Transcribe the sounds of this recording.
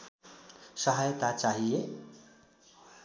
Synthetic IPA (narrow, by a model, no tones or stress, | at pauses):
sʌɦajt̪at͡ʃaɦije